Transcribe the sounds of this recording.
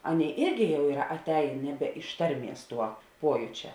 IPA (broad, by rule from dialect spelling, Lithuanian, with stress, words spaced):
ˈɑːˌnʲeːɪ ˈɪrʲɡʲɪ jɛʊ ˈiːrɐ ɐˈtʲɛɪn ˈnʲæːˌbʲɛ ɪʃ ˈtɐrʲˌmʲiɛs ˈtuɔ ˈpuɔjʊt͡ʃʲɛ